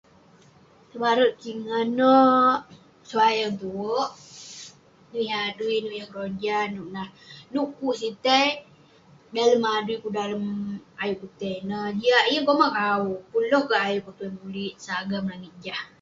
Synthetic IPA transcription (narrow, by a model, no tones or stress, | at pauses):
t̪əbaɾət̪̚t͡ʃiŋənə | səwajaŋt̪uwəʔ | nuiaduinuʔjahkəɾoɲd͡ʒanuʔnahnuʔkuʔsit̪əj | daləmadɾikudaləmajuʔkut̪ɛjnəd͡ʒiaʔijəŋkomakauʔpulɔhkaʔajʊʔkət̪uanbuliʔsaɡaməlaŋit̪̚d͡ʒah